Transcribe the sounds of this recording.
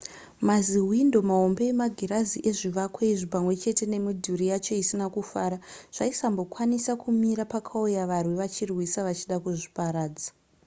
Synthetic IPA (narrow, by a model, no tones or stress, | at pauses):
maziwindo̞maɦo̞mbe̞emaɡʱiɾaziʔe̞ʐiʋakwaiʐipamwe̞t͡ʃe̞te̞ne̞midʱuɾijat͡ʃo̞isinakufaːɾaʐ̥aisambo̞kwanisakumiɾapakʰaujaʋarwiʋat͡ʃirwisaʋat͡ʃiɗakuʐipaɾaːd͡zḁ